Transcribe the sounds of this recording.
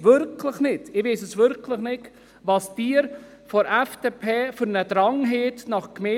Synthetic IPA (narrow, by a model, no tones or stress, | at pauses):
ʋʏɾkʰləχnɪtɪʋeːsəsvʏɾkʰləχnɪt | ʋɑsd̥iːəɾ | fɔɾɛfd̥epʰeːfʏɾnədɾɑŋɦeːtnɑχkmeː